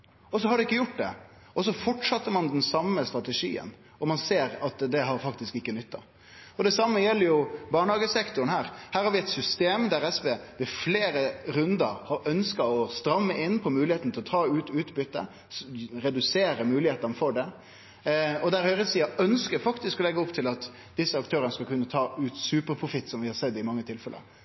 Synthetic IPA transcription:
ɔs̬ɔhɑɾɖɛɪkːəjʊʈ̚ːd̪ɛ̰ | ʔɔs̬ɔfɔʈʂɑt̪ːəɾmɑnd̪ɛnsɑmːəst̪ɾɑt̪ɛʂḭːə̰n | ɔmɑnseːɾɑt̪d̪ɛɦɑɾfɑkt̪ɪskɪkːənʏt̪ːɑ | ɔd̪ɛsɑmːəjɛlːəɾjʊbɑːɳɑːɡəsɛkt̪ʊnhæːɾhæːɾhɑɾʋɪɛɪt̪sʏst̪eːmd̪æɾɛspeːʋɛfleːɾəɾʉnd̪əɾhɑɾœnskɑɔst̪ɾɑmːəʔɪnːpʰɔmʉːlɪheːt̪n̩t̪ɪlɔt̪ʰɑːʉːt̪ʉːt̪bʏt̪ːə̰ | ɾɛd̪ʉseːɾəmʉːlɪheːt̪ɑnəfɔɖɛ | ɔd̪æɾhœʏɾəsiːɑœnskəɾfɑkt̪ɪskɔlɛɡːəɔpt̪ʰɪlɑt̪ | d̪̥ɪsːəɑkt̪ʰøːɾənəskɑlkʉnːət̪ʰɑːʉːt̪sʉːpəɾpʰɾʊfɪt̪ːsɔmʋɪhɑɾsɛd̪ːɪmɑŋːət̪ʰɪlfɛlə̰

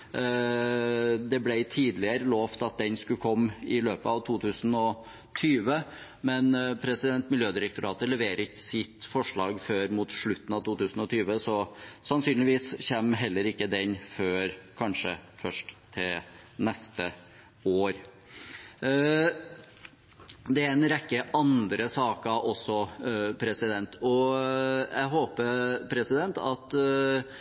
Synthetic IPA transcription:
d̪ɛblæɪt̪ʰiːd̪lɪəɾəloːft̪ɑt̪̚d̪ɛnskʉkʰɔmːɪløːpəɑʋt̪ʰuːt̪ʰʉːsn̩ɔ | t̪ʰyːʋə | mɛnpʰɾɛsɪd̪ɛnt̪mɪljøːd̪ɪɾək̚t̪ʊɾɑːt̪əlɛʋeːɾəɪkːə̥sɪt̪fɔʂɭɑːɡføːɾmut̪ʂɭʉt̪ːn̩ɑʋt̪uːt̪ʉːsn̩ɔt̪ʰyːʋəsɔsɑnsyːnlɪʋiːsçɛmːɦɛlːəɾɪkːəd̪ɛnføːɾkʰɑnʂəfœʂʈt̪ʰːɪl | nɛst̪ə | oːɾ | d̪ɛæɾɛnɾɛkːəʔɑnd̪ɾəsɑːkɑʔɔsːɔpʰɾɛsɪd̪ɛnt̪ɔ | jʔæ̰ɦoːpəɾpʰɾɛsɪd̪ɛnt̪ɑt̪

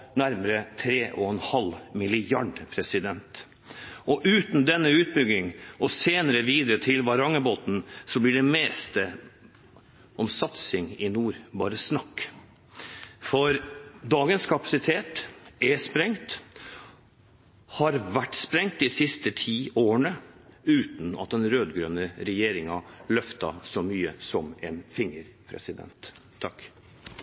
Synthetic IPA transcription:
næɾməɾət̪ʰɾeːʔɔɛnhɑlmɪlɪjɑɖpʰɾɛsɪd̪ɛnt̪ | ʔɔʔʉːt̪n̩d̪ɛnːəʉːt̪̚bʏɡɪŋɔseːnəɾəʋiːd̪əɾət̪ʰɪlʋɑɾɑŋəboːt̪nsɔblɪɖɛmeːst̪ə | ʔɔmsɑt̪sɪŋɪnuːɾbɑːɾəsnɑkː | fɔɾd̪ɑːɡənskʰɑpɑsɪt̪ʰeːt̪ɛspɾɛŋt̪ | hɑɾʋæʈːspɾɛŋt̪̚d̪ɪsɪst̪ət̪ʰiːoːəɳəʉːt̪n̩ɑ̰t̪̚d̪ɛnɾøːd̪ɡɾøːnəɾɛjeːɾɪŋɑlœft̪ɑ̰sɔmyːəsɔmɛnfɪŋəɾpʰɾɛ̰sɪd̪ɛ̰nt̪ʰː | ɑk

